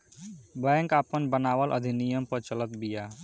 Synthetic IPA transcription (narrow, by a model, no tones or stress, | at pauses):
bɛ̃ŋkaːpənbənaːwəlʔə̰d̪ʱinijəmpəɾt͡ʃələt̪bija